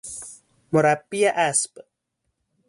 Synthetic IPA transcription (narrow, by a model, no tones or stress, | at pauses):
moɾapːijaʔasp